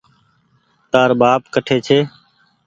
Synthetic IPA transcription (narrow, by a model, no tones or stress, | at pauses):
t̪aːɾbaːpkəʈʰeːt͡ʃʰeː